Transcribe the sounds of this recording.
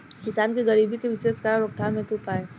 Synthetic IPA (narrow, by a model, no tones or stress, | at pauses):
kɪsaːnkiɡɐɾiːbʱikeʋɪʃeːskaɾɾʊk̚t̪ʰaːmẽt̪upaːeː